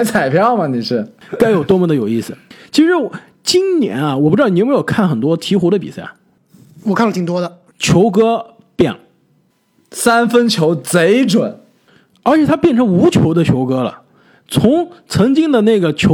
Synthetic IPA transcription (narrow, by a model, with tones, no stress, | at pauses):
ɪt͡sʰa˨˩ɪpʰjɑ˥˩ʊmɐ˨ni˨˩ʂɻ̩˥˩ka˥ɪjo˨˩ʊt̪wɔ˥mə˧˩d̪ə˩jo˨˩i˥˩sɹ̩˩t͡ɕʰi˧˥ʂɻ̩˧˥wɔ˨ | t͡ɕi˥nnjɛ̰˧˥nɐ˧wɔ˨˩pu˥˧ɻ̩˧˥˩m˥jo˨˩ʊkʰa˥˩nxə˨˩nt̪wɔ˥t̪ʰi˧˥xu˧˥ɾə˧pi˨˩sa˥˩ɪ | wɔ˨˩kʰlət̪ʰi˨˩ŋ˩t̪wɔ˥d̪ə˨ | t͡ɕʰjo˧˥ʊkɤ˥ | pjɛ̰˨˩˦ŋ | sa˥nfə˥nt͡ɕʰjo˧˥ʊt͡se˧˥ɪʈ͡ʂwə˨˩˦n | ə˞˧˥t͡ɕʰjɛ˨˩t̪ʰa˥pjɛ˥˩nʈ͡ʂʰɤ˧˥ŋu˧˥t͡ɕʰjo˧˥ʊd̪ə˧t͡ɕʰjo˧˥ʊkɤ˥lə̰˨ | t͡sʰʊ˧˥ŋt͡sʰɤ˧˥ŋt͡ɕi˥ŋd̪ə˨ne˥˩ɡə˩t͡ɕʰjo˧˥